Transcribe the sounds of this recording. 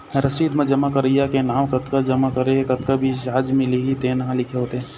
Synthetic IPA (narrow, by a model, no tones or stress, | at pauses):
ɾəsiːd̪mẽd͡ʒɐmakəɾəjakenaːmkɐt̪kad͡ʒɐmakɐɾeɦekɐt̪̚kabʱiʃad͡ʒmɪliɦit̪eːnɦãlɪkʰeɦoːt̪eɦ